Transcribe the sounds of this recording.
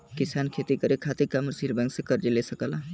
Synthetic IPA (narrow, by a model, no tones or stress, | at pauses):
kɪsaːnkʰet̪ikəɾekʰaːt̪ikamɾsilbɛ̃ŋksekəɾd͡ʒelesəkəlaː